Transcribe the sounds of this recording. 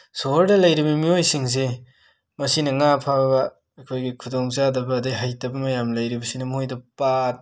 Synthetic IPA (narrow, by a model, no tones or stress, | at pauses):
soɾdɐlɐjɾibɐmiojsiŋs̬e | mɐsinɐŋapʰabɐː | kʰojɡikʰudoŋzadɐbɐːdajɦajtɐbɐmɐjamlɐjɾibɐsinɐmojdɐpat̚